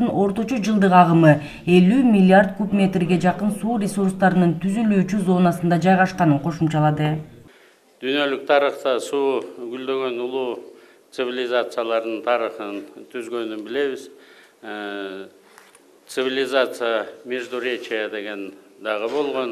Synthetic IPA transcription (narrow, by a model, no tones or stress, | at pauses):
ɯno̞ɾt̪o̞t͡ʃod͡ʒɯlˠd̪ɯqɑʁɯmɯ | e̞lymʲilʲːiard̪̚kupmʲe̞t̪rɡʲe̞d͡ʒɑqɯnsuːrʲesurst̪ɑɾɯnɯnt̪ʰyzylyːt͡ʃyzo̞nɑsɯnd̪ɑd͡ʒɑjʁɑʃqɑnɯɴqʰo̞ʃumt͡ʃɑlˠɑd̪ɯ | d̪̥yjnø̞lyk̚t̪ʰɑɾəχt̪ɑsuːɡyld̪ø̞ɡø̞nulˠuː | t̪sɨvʲilʲɪzat̪sɨjalˠɑɾd̪ɯnt̪ʰɑɾəχənt̪ʰyzɡø̞nynbɪle̞βiz | t̪sɨvʲilʲɪzat̪sɨjamʲeʒd̪uɾʲet͡ʃiad̪e̞ɡe̞nd̪ɑʁəbo̞lˠʁo̞n